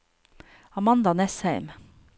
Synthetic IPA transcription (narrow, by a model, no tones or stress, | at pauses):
ɑmɑnd̪ɑnɛshæɪm